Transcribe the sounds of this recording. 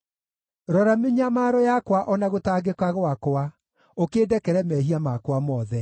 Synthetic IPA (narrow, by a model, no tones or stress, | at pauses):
ɾɔɾameɲamaːɾɔjakwaʔɔnaɣotaːɡekaɣwakoa | okedɛkɛɾɛmɛɦiamakwamɔːðɛ